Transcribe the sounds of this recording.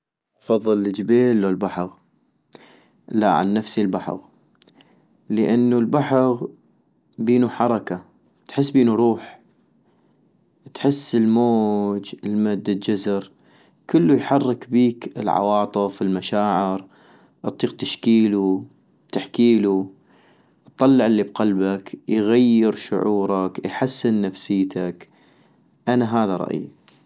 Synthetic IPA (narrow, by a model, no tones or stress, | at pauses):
ɑfɑðˤːɨlːɪd͡ʒbeːlːolbaħɣ | la̰ʕa̰nːafsilbaħɑ̰ɣ | ləʔanːulbaħɣ | biːnuħɑɾˤɑka | t̪ħɪs̬ːbiːnuɾˤuːħ | t̪ħɪsːɪlmoːd͡ʒɪlmad̪ːad͡ʒazɾ | kəlːujħɑrˤːɪkbiːkɪlʕɑ̰wɑːt̪ˤɨfɪlmaʃaːʕɪɾ | ʔɨt̪ˤːiːq̚t̪aʃkiːlu | t̪aħkiːlu | t̪ˤːɑlːɪʕɪlːibqɑlbakjɣajːɪɾʃʊ̰ʕuːɾˤɑkjħasːɪnːafsɪjːt̪ʰak | ʔanaɦaːðaɾˤɑ̰ʔjḭ